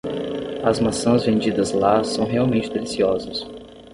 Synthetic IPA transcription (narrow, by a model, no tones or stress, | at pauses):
ɐzmasɐ̃zvẽnd͡ʒid̪ɐzlasɐ̃w̃ɦeawmẽnt͡ʃɪd̪elisiɔzɐs